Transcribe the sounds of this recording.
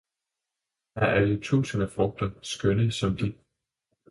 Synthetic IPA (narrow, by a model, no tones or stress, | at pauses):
dæɐʔælət͡sʰṵːsənæfʁɔ̽ɡ̥̚d̥ɐsɡ̥ønəsɒ̽md̥i